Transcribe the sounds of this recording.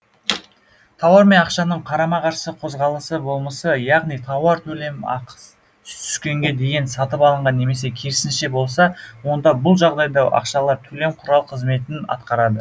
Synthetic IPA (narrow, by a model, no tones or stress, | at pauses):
t̪ʰɑwɑɾme̞nɑqʃɑnəɴqʰɑɾɑmɑqɑɾʃəsəqʰo̞zʁɑlˠəsəbo̞lˠməsəjɑʁnijt̪ʰɑwɑɾt̪ʰɵle̞mɑ̰q | t̪ʰʏ̥skʲe̞ŋɡʲe̞d̪e̞jɪnsɑt̪əpɑlˠəɴʁɑnːe̞me̞s̬e̞kʲʰe̞ɾɪsɪnʃe̞bo̞lˠsɑwo̞nd̪ɑbʊlˠʒɑʁd̪ɑjd̪ɑʔɑ̰qʃɑlˠɑɾt̪ʰɵle̞mqʰʊɾɑlˠqʰəzme̞t̪ɪnɑ̰t̪qɑɾɑd̪ə